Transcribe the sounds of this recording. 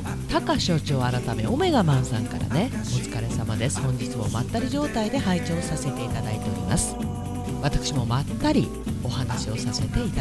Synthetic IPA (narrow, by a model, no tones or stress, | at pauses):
t̪akaɕo̞ːt͡ɕo̞ːaɾat̪ame̞̰ome̞ɡamãɰ̃sãŋka̰ɾa̰ne̞ | ot͡sɨ̥kaɾe̞samad̪e̞sɨ̥hõ̞ɲ̟d͡ʑit͡sɨmo̞ma̰t̪ːaɾʲiʑo̞ːt̪aid̪e̞hait͡ɕo̞ːsase̞t̪e̞it̪ad̪ait̪e̞o̞ɾʲḭma̰sɨ̥ | βat̪ḁkɯ̟̥ɕimo̞mat̪ːaɾʲi | o̞hanaɕio̞sase̞t̪e̞it̪